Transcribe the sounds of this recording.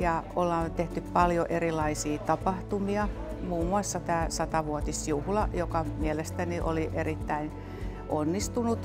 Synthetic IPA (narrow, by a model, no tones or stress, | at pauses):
jɑolːɑːt̪eht̪yppɑljoʔerilɑisiːt̪ɑpɑht̪umiɑ | muːmːuɑsːɑt̪æːsɑt̪ɑʋuot̪isjuhlɑjokɑmielest̪æniʔo̰liʔerit̪ːæin | ʔonːist̪unut̪